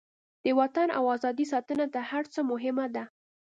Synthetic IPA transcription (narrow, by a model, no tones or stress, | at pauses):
d̪̥əwat̪ana̰wɑzɑd̪is̬ɑt̪ənat̪ahaɾt͡səmʊɦɪmad̪a